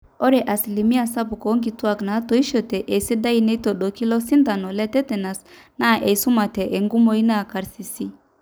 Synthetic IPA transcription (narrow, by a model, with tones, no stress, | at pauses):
ɔ˦ɾɛ˨ʔa˨si˨li˨mi˦a˨sa˦bu˨kɔ˨˦ŋɡi˨˦twa˦˨kna˨˦to˨˦i˦ʃɔ˨tɛ˨ʔe˨i˨si˦da˦i˦nɛ˦i˦to˨ɗo˨ki˦lɔ˦si˦nda˨nɔ˨lɛ˦tɛ˦tɛ˨na˨s | na˦˨ʔe˨i˨su˦ma˨tɛ˨ʔe˨ŋɡu˦mo˨˦i˦na˦˨ka˨ɾsi˨si˦